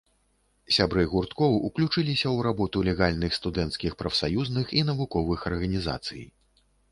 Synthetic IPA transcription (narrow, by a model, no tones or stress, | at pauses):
sʲabɾɨjɣurt̪kɔwuklʲut͡ʂɨlʲisʲɐwɾabɔt̪ulʲɛɣalʲnɨxst̪ud̪ɛnt̪skʲixpɾɐfsajuznɨxin̪ɐvukɔvɨxɐrɣɐnʲiza̰t̪sɨ̰j